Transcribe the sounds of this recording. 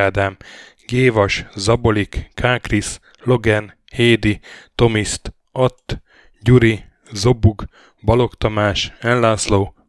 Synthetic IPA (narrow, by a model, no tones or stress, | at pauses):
aːd̪aːm | ɡeːvɒʃzɒbo̞likːaːkris | lo̞ɡɛn | heːd̪it̪o̞mist̪ | ɒt̪ː | ɟuɾi | zo̞buɡ | bɒlo̞kt̪ɒmaːʃɛlːaːsloː